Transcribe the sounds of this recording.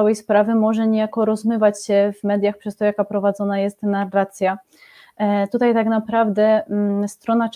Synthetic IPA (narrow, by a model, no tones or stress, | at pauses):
awɛjspɾavɘmɔʐɛɲejakɔɾɔzmɘvat͡ɕɕɛvmɛd̪ʲjaxpʂɛst̪ɔjakapɾɔvad̪zɔnajɛst̪narːat̪sʲja | t̪ut̪ajt̪aknapɾavd̪ɛst̪ɾɔnat͡ʂ